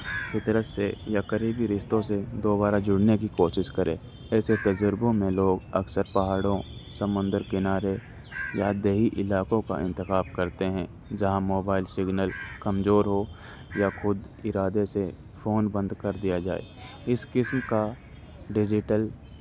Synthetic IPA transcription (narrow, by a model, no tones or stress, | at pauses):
pɪt̪ɾət̪sejakəɾiːbiɾɪʃt̪õsed̪oːbaːɾad͡ʒʊɽnekikoːʃɪʃkəɾʔḛ̃ː | ɛːset̪ɐd͡ʒəɾbõmẽloːɡɐksəɾpɐɦaːɽõsɐmʊ̃nd̪əɾkɪnaːɾe | jad̪eɦiʔɪlaːkõka̰ʔɪ̃nt̪ɪxaːb̚kɐɾt̪eɦɛ̃ | d͡ʒɐɦãmoːbaːɪlsɪɡnəlkɐmzoːɾɦo | jaxʊd̪ | ɪɾaːd̪ese | fʰoːnbə̃nd̪kɐɾd̪ijad͡ʒa̰ːḛ | ɪskɪsmka | ɖɪd͡ʒɪʈəl